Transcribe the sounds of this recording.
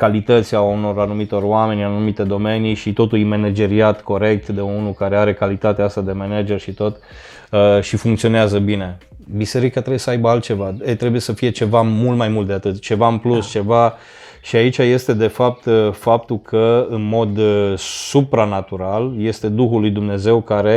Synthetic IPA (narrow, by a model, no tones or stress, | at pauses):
kalit̪ət̪sʲiauno̞ɾanumit̪o̞roame̞nʲanumit̪e̞d̪o̞me̞niʃit̪o̞t̪ulime̞ned͡ʒe̞ɾiat̪ko̞ɾe̞k̚t̪d̪e̞unukaɾe̞aɾe̞kalit̪at̪east̪ad̪e̞mened͡ʒe̞rʃit̪o̞t̪ | əʃifuŋkt̪sioneazəbine̞ | bise̞ɾikat̪ɾebujesəajbəalt̪̚t͡ʃe̞vaet̪ɾe̞buje̞səfije̞t͡ʃe̞vamult̪majmult̪d̪eat̪ɨt̪t͡ʃe̞vaɨnplust͡ʃe̞va | ʃiait͡ʃaje̞st̪e̞d̪e̞fap̚t̪fap̚t̪ukʰəɨnmo̞d̪supɾanat̪uɾalje̞st̪e̞d̪uxulːujd̪umne̞ze̞wkaɾe̞